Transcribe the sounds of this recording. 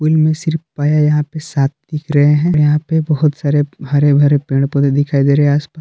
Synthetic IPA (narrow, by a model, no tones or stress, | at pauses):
pulmẽsɪɾfpaːjajɐɦãpesaːt̪̚ʰd̪ɪkʰɾɐɦeɦɛ̃ɾjɐɦãpebɐɦʊt̪saːɾebʱɐɾebʱɐɾepẽːɳɖpoed̪ɪkʰaːid̪eːɾɐɦɛ̃aːspaːs